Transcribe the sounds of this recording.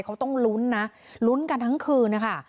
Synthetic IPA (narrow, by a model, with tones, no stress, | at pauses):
jkʰa˦˥wt̪ɔ˥˩ŋlu˦˥nːa˦˥ | lu˦˥nka˧nt̪ʰa˦˥ŋkʰɯː˧nːa˦˥kʰa˥˩